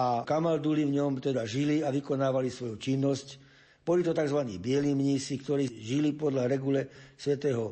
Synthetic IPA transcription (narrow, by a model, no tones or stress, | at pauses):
akamald̪uliʋɲɔmt̪ɛd̪aʒiliaʋikɔnaːʋalisʋɔjut͡ʃinːɔsc | b̥ɔlit̪ɔt̪aɡzʋanḭːbɪɛlimɲiːsikt̪ɔɾiːʒilipɔd̪laɾɛɡulɛsʋɛt̪ɛːɦɔ